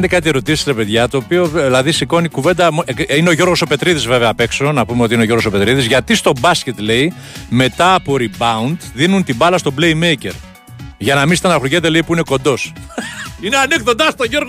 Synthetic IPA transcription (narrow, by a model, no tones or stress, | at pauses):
nd̪ekɐt̪ie̞ɾo̞t̪isi̥sɾepe̞ðʝɐt̪o̞ːpio̞vlɐðisiko̞nikuve̞nd̪ɐmeineo̞ʝo̞ɾɣo̞so̞pe̞t̪ɾiðizve̞veɐːpe̞kso̞nɐpumeoiineo̞ʝoɾɣo̞so̞pet̪ɾiðizʝɐt̪ist̪o̞bɐsce̞t̪le̞i | me̞t̪ɐːpo̞ɾibɐund̪ðinunt̪ibɐlɐst̪o̞ble̞imejce̞̰ɾ | ʝɐnɐmisit̪ɐnɐxɾuʝet̪̬e̞leipuineko̞nd̪o̞s | ineɐnikθond̪ɐst̪oʝoɾɣ